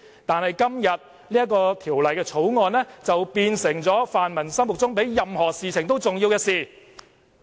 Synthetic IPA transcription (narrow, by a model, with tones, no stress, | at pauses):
t̪aː˨nhɐ˨jkɐ˥mjɐ˨t̚ | liː˥jɐ˥kɔː˧t̪ʰiː˨˩wlɐ˨jkɛː˧t͡sʰo˨˥wŋɔː˨˧nlɛː˥t͡sɐ˨wpiː˧nsɪ˨˩ŋt͡sɔː˨˥faː˨nmɐ˨˩nsɐ˥mwʊ˨k̚t͡sʊ˥ŋpe˨˥jːɐ˨mhɔː˨˩siː˨t͡sʰɪ˨˩ŋt̪o˥wt͡sʊ˨ŋji˧wkɛː˧siː˨˩